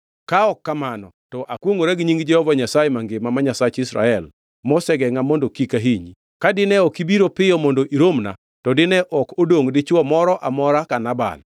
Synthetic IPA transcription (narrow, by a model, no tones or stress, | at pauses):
kaɔkːamanɔtɔʔakwoŋoɾɛɡɲiŋɡd͡ʒɛhɔvaɲasajɛmaŋɡemamaɲasat͡ʃɪsɾa̰ɛl | mɔsɛɡɛŋamondokikaɦiɲi | kadɪnɛokibiɾopɪjɔmondoʔiɾomna̰ | tɔdɪnɛʔɔkodoŋdɪt͡ʃwɔmɔɾɔʔamɔɾakanaba̰l